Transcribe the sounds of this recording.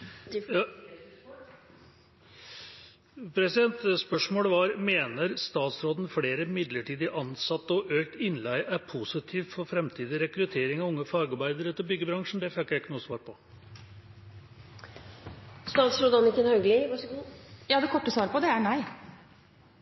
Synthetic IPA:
pʰɾɛsɪd̪ɛnt̪spœʂmoːɽəʋɑɾmeːnəɾst̪ɑːt̪sɾoːd̪n̩fleːɾəmɪd̪ləʈʰiːd̪ɪʔɑnsɑt̪ːɔʔøːkt̪ɪnlæɪʔæɾpʰusɪt̪ʰiːʋ̪fɔɾfɾɛmt̪ʰiːd̪ɪɾɛkɾʉt̪ʰeːɾɪŋɑʋʊŋːəfɑɾɡɑɾbæɪd̪əɾət̪ʰɪlbʏɡːəbɾɑŋʂɳ̩d̪ɛfɛkːjæɪkːənuːsʋɑːɾpʰɔ | st̪ɑːt̪sɾoːd̪ɑnɪkːənhœɡlɪʋ | jɑːd̪ɛkʰɔʈːəsʋɑːɾəpɔd̪ɛænæɪ

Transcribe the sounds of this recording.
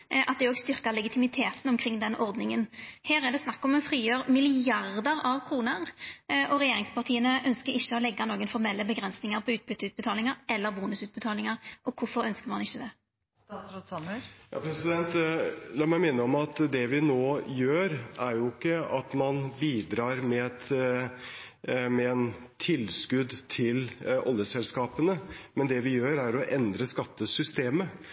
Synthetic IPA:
ʔɑt̪̚d̪ɛoːɡst̪ʏʁkɑʁlɛɡɪt̪ʰɪmɪt̪ʰeːt̪nɔmkʰɾɪŋːd̪ɛnʔɔʁd̪nɪŋənheːɾɛd̪ɛsnɑkːɔmɔfɾiːjøːɾmɪlɪɑʁd̪əɾɑʋkʰɾuːnəʁʔɔɾɛjeːɾɪŋspɑʁt̪ʰiːənəʔœnskəɾɪçːəɔlɛɡːɑnoːɡənfɔʁmɛlːəbəɡɾɛnsnɪŋəɾpʰɔʉːt̪̚bʏt̪ːəʉːt̪bət̪ʰɑːlɪŋəɾɛlːəɾbuːnʉsʉːt̪̚bət̪ʰɑːlɪŋɑʁʔɔkʰʊfɔɾœnskəʁmɑnɪçːəd̪ɛ | sɔsɑnjɑ̰ːpʰɾɛsɪd̪ɛnt̪lɑːmæɪmɪnːəɔmɑt̪d̪ɛʋɪnoːjøːɾæɾjʊɪkːəɑt̪mɑnbiːd̪ɾɑːɾmɛɛt̪ | mɛɛnt̪ʰɪlskʉd̪t̪ʰɪlɔ̰ljəsɛlskɑːpənəmɛnd̪ɛʋɪjøːɾæɾɔʔɛnd̪ɾəskɑt̪ːəsʏst̪eːmə

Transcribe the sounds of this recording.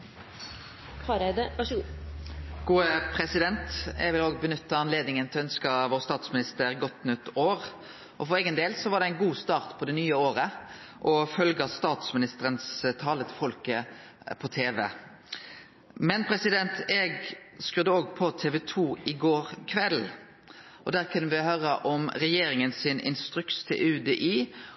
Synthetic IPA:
hɑɾed̪əʋæʂəɡuː | ɡ̥uːəpʰɾɛsɪd̪ɛnt̪ɛɡʋɪloːɡ̚bənʏt̪ːəɑnleːd̪nɪŋənt̪ʰɪœnskɑʋoːʁst̪ɑːt̪smɪnɪst̪əɾɡɔt̪nʉt̪ːoːʁ | ʔɔfɔɾʁɛːɡənd̪eːlsɔʋɑʁɖ̪ɛæɪnɡuːst̪ɑːʁt̪pʰɔd̪ɛnyːəoːɾə | ʔɔfœlɡɑst̪ɑːt̪smɪnɪst̪əɾənst̪ʰɑːlət̪ʰɪfɔlkə | pʰɔt̪ʰeːʋɛ̰ | mɛnpʰɾɛsɪd̪ɛnt̪ɛɡskʉd̪əoːɡpʰɔt̪ʰeːʋɛt̪ʰuːɪɡoːɾkʰʋɛl | ʔɔd̪æːʁkʰʉnːəʋɪhøːɾəʔɔmɾɛjeːɾɪŋənsɪnɪ̰nst̪ɾʉkst̪ʰɪ̰lʔʉd̪ɛʔiː

